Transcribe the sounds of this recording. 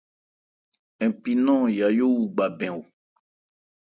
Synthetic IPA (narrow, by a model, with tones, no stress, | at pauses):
ɛ̃˨pi˨nɔ̃˦ja˨jo˦wu˨ɡ͡ba˨bɛ̃˨wo˨